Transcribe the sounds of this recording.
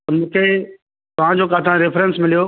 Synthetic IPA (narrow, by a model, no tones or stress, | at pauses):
t̪ɐmũːkʰe | t̪ɐʋ̤ãd͡ʑokaːt̪ʰãɾɪfɾɛ̃nsmɪlijo